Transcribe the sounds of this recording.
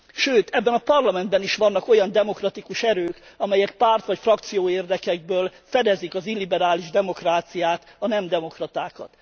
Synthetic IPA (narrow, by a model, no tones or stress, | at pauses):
ʃøːt̪ɛbːɛnɒpɒrlɒmɛnd̪bɛniʃʋɒnːɒko̞jɒnd̪ɛmo̞krɒt̪ikuʃɛɾøːkɒmɛjɛk̚paːrt̪ʋɒcfrɒkt̪sijoːeːrd̪ɛkɛɡ̚bøːlfɛd̪ɛzikɒzilːibɛɾaːliʒd̪ɛmo̞kraːt̪sijaːt̪ɒnɛmd̪ɛmo̞krɒt̪aːkɒ̰t̪